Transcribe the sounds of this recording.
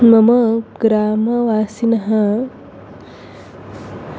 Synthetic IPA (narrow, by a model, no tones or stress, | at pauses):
mɐmɐɡɾaːmɐʋaːsinɐɦɐ